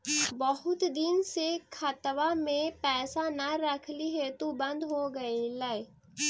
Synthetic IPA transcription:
bəɦʊt̪d̪ɪnsekʰət̪ʋamẽpɛːsanaɾəkʰliɦet̪ubə̃nd̪ɦoɡəilɛe

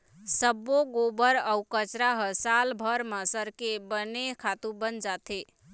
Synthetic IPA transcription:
səboɡobəɾəwkət͡ʃɾaɦəsalbʱəɾməsəɾkebənekʰat̪ũbənd͡ʒat̪ʰe

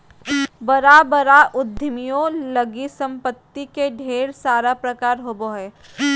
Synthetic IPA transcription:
bɐɾabəɾaʔʊd̪ʱːɪmijõlɐɡisɐ̃mpət̪ːikeɖʱeːɽsaːɾapɾɐkaːɾɦoːboɦɛː

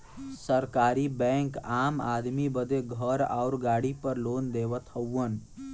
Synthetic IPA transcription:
səɾkaɾibɛ̃ŋkamad̪mibəd̪eɡʱəɾa̰ʊɾɡaɽipəɾlond̪eβət̪həwən

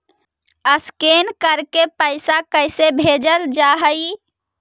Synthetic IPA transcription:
əskenkəɾkepəɪsakəɪsebʱed͡ʒəld͡ʒaɦəj

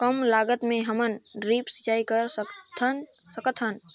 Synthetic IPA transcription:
kəmlaːɡət̪mẽɦəmənɾiːpsə̥t͡ʃaːikəɾst̪ʰn | səkət̪ʰɦən

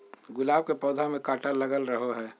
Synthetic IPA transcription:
ɡʊlaːb̚kepɔːd̪ʱamẽkaːʈaləɡəlɾəɦoɦɛː

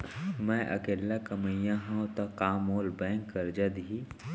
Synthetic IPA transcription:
mɛ̃ʔɐ̰keːlːakɐməjãɦãot̪ɐkaːmoːlbɛ̃ːŋkːɐɾd͡ʒad̪i

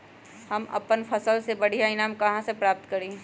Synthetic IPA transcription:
hɐmɐ̰pənpʰɐsəlsebɐɽ̤ijainaːmkɐɦãsepɾaːp̚t̪kɐɾĩː

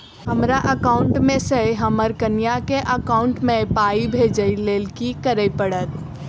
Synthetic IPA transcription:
ɦəmɾaʔəkaʊɳʈmẽseɦəməɾkənjakeʔəkaʊɳʈmepaibʱed͡ʒəjlelkikəɾəjpəɽət̪̚

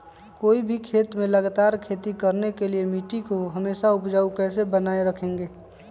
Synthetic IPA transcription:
koːibʱikʰeːt̪mẽləɡat̪aːɾkʰeːt̪ikəɾnekeliemiʈikoɦəmeːʃaʊpd͡ʒaːukɛːsebənaːeɾəkʰẽːŋɡeː

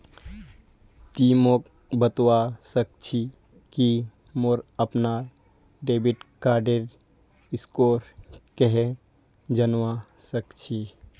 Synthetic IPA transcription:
t̪iːmok | bət̪wasək̚t͡ʃʰi | ki | moɾəpna | ɖeːbiʈkaːɾɖeɾ | ɪskoːɾkeɦe | d͡ʒənwa | səkt͡ʃʰi

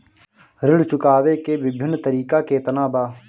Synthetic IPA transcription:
ɾɪɽt͡ʃʊkaːʋeːkeːʋɪbʱɪnːt̪əɾiːkaːkeːt̪ənaːbaː

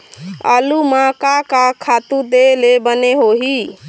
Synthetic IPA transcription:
ə̰lumakakakʰat̪ud̪elebəneɦoɦi

